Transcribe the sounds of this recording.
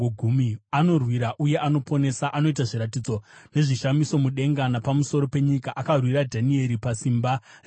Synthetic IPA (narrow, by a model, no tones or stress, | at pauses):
oɡʱumiano̞rwiɾaʔuje̞ʔano̞po̞ne̞saʔano̞itaʐiɾat̬id͡zo̞ne̞ʐiʃamiso̞muɗe̞ŋɡanapamuso̞ɾo̞pe̞ɲikaʔakarwiɾadʱanie̞ɾipasimbar